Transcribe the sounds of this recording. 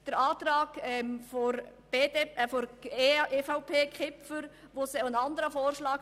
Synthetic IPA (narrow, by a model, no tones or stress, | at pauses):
d̥əɾɑːt̪ɾɑːɡɛmfɔɾb̥eːdeɛfoɾʔeːfaʊpʰeːkʰɪpfəɾ | ʋosɛənɑnd̪əɾəfoːrʃlɑːk